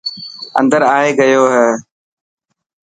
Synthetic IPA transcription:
ə̰̃nd̪əɾaːɦeɡəjoːɦɛː

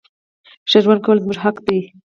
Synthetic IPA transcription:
ʃaɾwand̪kʰawlzmuʒɦaqd̪i

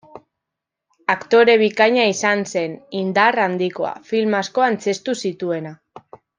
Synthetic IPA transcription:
akt̪o̞ɾe̞β̞ikaɲaisanse̞nind̪arand̪iko̞a̰filmasko̞ant͡se̞st̪usit̪ue̞na

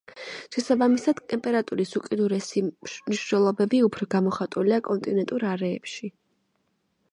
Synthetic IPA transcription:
ʃɛsabamisad̪̥t̪ʼɛmpʼɛɾat̪ʼuɾisuqʼid̪uɾɛsimniʃnɛlˠɔbɛbiupʰɾɔɡamɔχat̪ʼuliakʼɔnt̪ʼinɛnt̪ʼuɾaɾɛːpʃi

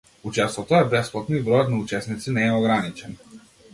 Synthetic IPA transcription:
ut͡ʃɛst̪vɔt̪ɔɛbɛsplˠat̪nibɾɔjɔt̪naut͡ʃɛsnit̪sinɛɛɔɡɾanit͡ʃɛn

